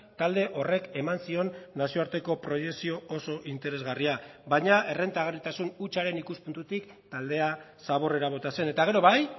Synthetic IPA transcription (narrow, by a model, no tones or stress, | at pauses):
t̪ald̪e̞ʔo̞re̞ke̞mansio̞nːasio̞aɾt̪e̞ko̞pɾo̞je̞ksio̞oso̞ʔint̪e̞ɾe̞zɣariabaɲae̞re̞nt̪aɣ̞erit̪asunut͡ʃaɾe̞nikuspunt̪ut̪ik | t̪ald̪e̞a | saβ̞o̞re̞ɾaβ̞o̞t̪ase̞ne̞t̪aɣ̞e̞ɾo̞βaj